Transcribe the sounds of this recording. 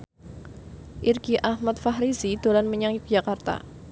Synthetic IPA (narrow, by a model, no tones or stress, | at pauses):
ʔirɡiʔahmat̪̚fahɾizid̪̥olanməɲaŋjk̚d͡ʒ̥akart̪a̰